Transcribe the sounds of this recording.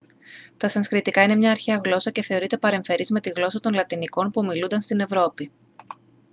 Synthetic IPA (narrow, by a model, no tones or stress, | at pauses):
t̪ɐsɐnskɾit̪ikɐine̞mɲɐːɾçeɐɣlo̞sɐce̞θe̞o̞ɾit̪e̞pɐɾe̞ɱfe̞ɾizme̞t̪iɣlo̞sɐt̪o̞nlɐt̪iniko̞npumilund̪ɐnst̪ine̞vɾo̞pi